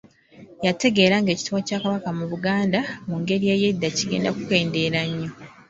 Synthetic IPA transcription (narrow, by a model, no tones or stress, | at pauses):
jate̞ɡe̞ːɾaŋɡe̞ːci̥tuwacaːkaβakamuβuɡaːndamuŋɡe̞ɾie̞ːje̞dːaciɡe̞ːndakuke̞ːnde̞ːɾaɲːo̞